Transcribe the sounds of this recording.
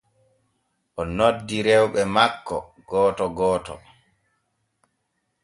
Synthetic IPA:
ʔɔnodːiɾɛwɓɛmakːɔ̰ | ɡ̥ɔːtɔɡɔːtɔ̰

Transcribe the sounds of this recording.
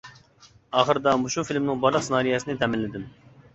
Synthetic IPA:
ɑːχəɾd̪ɑmuʃufilmnɪŋbɑɾlˠəqsnɑːɾijɛsɪnɪt̪ʰɛmɪlːɪd̪ɪm

